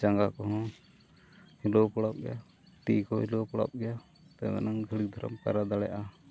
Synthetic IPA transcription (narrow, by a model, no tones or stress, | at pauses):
t͡ʃaŋɡakɔɦɔ̃ | hilɔpɔɽap̚ɡɛ̰ja | ʈikɔhilɔpɔɽa̰p̚ɡɛja | t̪ɛmɛ̰naŋɡʱəɽik̚d̪ʱɔɾɔ̰mpa̰ɾad̪aɽɛja̰ʔa